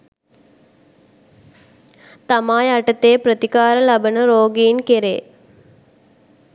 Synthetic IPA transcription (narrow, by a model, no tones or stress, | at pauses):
t̪amaːjaʈət̪eːprət̪ikaːɾəlɐbənəɾoːɡiːnkeɾḛː